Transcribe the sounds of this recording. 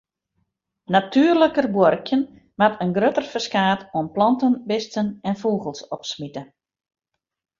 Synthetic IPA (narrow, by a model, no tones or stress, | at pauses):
natʰyːrləkərbwɔrkjən | matʰənɡrøtərfəskaːtɔənplɔntənbɪstənɛnfuːɣəlˠsɔpsmitə